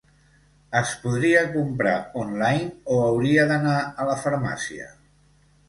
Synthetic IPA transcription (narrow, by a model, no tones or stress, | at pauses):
əspuðɾiəkumpɾa̰onlajnoəwɾiəðənaələfəɾma̰siə̰